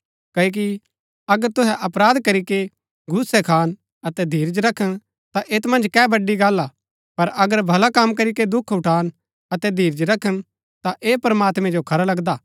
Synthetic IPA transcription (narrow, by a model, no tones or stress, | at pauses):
kɐk̬i | ɐɡəɾt̪ʊɦɛʔɐpɾaːd̪kɐɾike | ɡʱʊsːɛkʰaːn | ɐt̪ɛd̪ʱiːɾd͡ʒɾɐkʰːəñ | t̪aʔeːt̪mɐ̃nd͡ʒkɛːbɐɖːiɡaːlːa | pɐɾɐɡəɾbʱɐlakɐmkɐɾiked̪ʊkʰʊʈʰaːn | ɐt̪ɛd̪ʱiːɾd͡ʒɾɐkʰən | t̪aʔeːpɐɾmaːt̪mɛ̃d͡ʒokʰɐɾalɐɡd̪aː